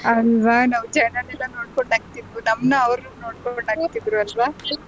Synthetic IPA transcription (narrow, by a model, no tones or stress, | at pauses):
ɐlʋanaːʋd͡ʒɐnɐnilːɐnoːɽkoɳɖaːɡt̪id̪unɐmnɐɐʋɾunoːɽkoɳaːɡt̪ːid̪ɾuɐlʋa